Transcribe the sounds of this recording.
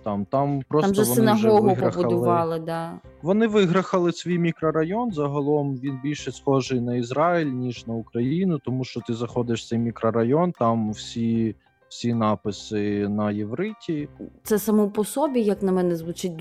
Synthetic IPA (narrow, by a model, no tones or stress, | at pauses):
t̪ɑmt̪ɑmpɾɔsmʒɛʋɔnɪnɐɦɔɦʋɪɦɾɐbbʊɐdlʊʋɑlˠɪd̪ɑʋɔnɪʋɪɦɾɐxɐlˠɪsʲʋʲijmʲikɾɐɾɐjɔnzɐɦɐlˠɔmʋʲinbʲilʲʃɛsxɔʒɪjnɐizɾɑilʲnʲiʒnɐʊkɾɐjinʊt̪ɔmuʃt͡ʃɔt̪ɪzɐxɔd̪ɪʃt̪sɛjmʲikɾɐɾɐjɔnt̪ɑmwsʲi | wsʲinɑpɪsɪnɐjeʋɾɪtʲit̪sɛsɐmɔpɔsɔbʲijɐknɐmɛnɛzʋʊt͡ʃɪt̚ʲ